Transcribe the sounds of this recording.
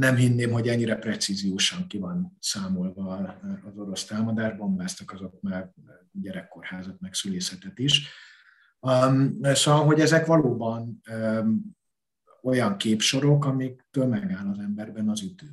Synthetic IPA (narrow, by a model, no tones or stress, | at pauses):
nɛmɦinːeːmɦo̞ɟɛɲːiɾɛprɛt̪sizijoːʃɒŋkivɒnsaːmolvɒːzo̞ɾo̞st̪aːmɒd̪aːʒbo̞mbaːst̪ɒkɒzo̞t̪ma | ɟɛɾɛkːo̞rhaːzɒt̪̚mɛksyleːsɛt̪ɛt̪iʃ | sovɒlɦo̞ɟɛzɛkʋɒloːbɒn | o̞jɒŋkeːpʃo̞ɾo̞kɒmikt̪øːlmɛɡaːlɒzɛmbɛrbɛnɒzyt̪øː